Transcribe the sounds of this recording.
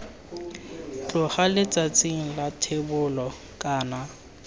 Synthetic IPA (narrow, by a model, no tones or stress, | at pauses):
t͡ɬʼʊχalɪt͡sʼat͡sʼiŋ̩latʰebʊlɔ | kʼaːna